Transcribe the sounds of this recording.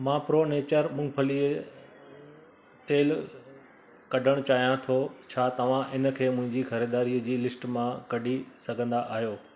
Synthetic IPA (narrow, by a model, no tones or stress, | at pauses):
mãːpɾoːneːt͡ɕəɾmʊ̃ŋpʰəliːə | t̪eːl | kɐɖʱəɽ̃t͡ɕaːɦijãt̪ʰot͡ɕʰaːt̪ɐʋ̤ãʔɪnə̆kʰeːmʊ̃ɦɪ̃ɲd͡ʑixɐɾeːd̪aːɾiːəd͡ʑiːlɪsʈmãkɐɖʱisɐɡʱə̃nd̪aʔaːɦjoː